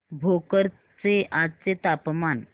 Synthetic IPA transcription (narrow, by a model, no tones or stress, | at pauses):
bʱokəɾ | t͡seʔad͡zt͡set̪apman